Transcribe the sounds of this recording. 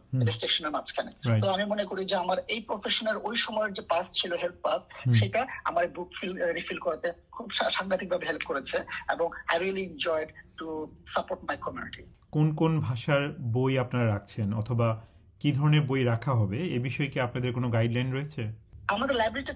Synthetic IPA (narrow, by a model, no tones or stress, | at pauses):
elesʈeʃoneɾmat͡ɕʰkʰaneɾajt̪oamimonekoɾid͡ʑeamaɾejpɾofeʃoneɾojʃɔmɔeɾd͡ʑepast͡ɕʰiloɦelt̪̚pasʃʃejʈaa̰maɾbukfʰilɾifilkɔɾat̪ekʰubʃaʃaŋɡat̪ik̚bʱabeɦelpkoɾet͡ɕʰeeboŋajɾiliend͡ʑɔjɖʈusapoɾʈmajkɔmjṵniʈi | konkonbʱaʃaɾbojapnaɾaɾak̚ʰt͡ɕʰenɔt̪ʰoba | kid̪ʱɔɾoneɾbojɾakʰaɦɔbeebiʃɔekeapnad̪eɾkonoɡajɖlajnɖɾoet͡ɕʰeamad̪eɾlajbɾeɾiʈi